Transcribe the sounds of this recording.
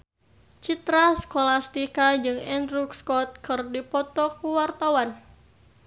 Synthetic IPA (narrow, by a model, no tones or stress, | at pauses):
t͡ʃit̪ɾaskolast̪ikad͡ʒɨŋɛndɾukskɔt̪̚kɨrdipɔt̪ɔkuwart̪awan